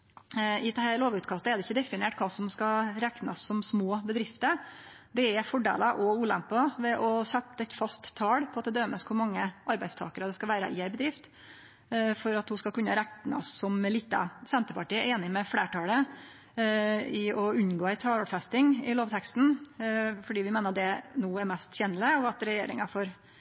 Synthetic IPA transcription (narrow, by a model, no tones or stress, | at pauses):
ɪd̪ɛhæloːʋʉːt̪kʰɑst̪əɛɾd̪ɛɪçːəd̪ɛfɪneːʈkʰɑːsɔmskɑɾæknɑsːɔmsmoːbəd̪ɾɪft̪əɾ | d̪ɛɛfɔɖḛːlɑʔɔuːlæmpɑʋɛʔɔsɛt̪ːɛt̪fɑst̪tʰːɑːɽpʰɔɑt̪̚d̪ɛd̪øːməskʰʊɾmɑŋːəʔɑɾbæɪst̪ʰɑːkəɾəd̪ɛskɑʋæːɾə̰ʔɪæɾbəd̪ɾɪft̪ | fɔɾɑt̪hʊskɑlkʉnːəɾækt̪ːnɑ̰sɔmliːt̪ːə̰sɛnt̪əpɑʈiːəɾeːnɪmɛfleːʈɑlə | ɪɔʉnːɡoːæɪt̪ʰɑːlfɛst̪ɪŋɪloːʋt̪ʰɛkst̪n̩ | fɔɖiːʋɪmeːnəɑd̪ɛnuːɛɾmɛst̪çɛːnələɔɑt̪ɾɛjeːɾɪ̰ŋɑfɔɾ